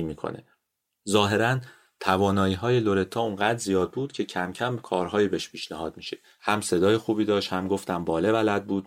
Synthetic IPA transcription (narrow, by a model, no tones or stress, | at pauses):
iːmiːkʰo̰ne̞̰ | zɒːɦe̞ɾæn | t̪ʰævɒːnɒːjiːɦɒːje̞lo̞ɾe̞t̪ʰɒːuŋɢæːd̪ɾzijɒːd̪̚buːd̪̥cʰe̞cʰæmcʰæmkʰɒːɾɦɒːjiːbeʃpʰiːʃnæhɒːd̪̚miːʃe̞ | hæmse̞d̪ɒːjexuːbiːd̪ɒːʃthæmɡo̞ft̪æmbɒːlebælæd̪̚buːd̪̥